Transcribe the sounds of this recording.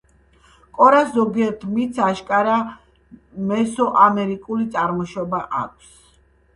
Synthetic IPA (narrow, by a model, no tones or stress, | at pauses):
kʼɔɾaszɔɡiɛɾt̪ʰmit̪sʰaʃkʼaɾa | mɛsɔʔamɛɾikʼulit̪sʼaɾmɔʃɔbaʔa̰kʷʰs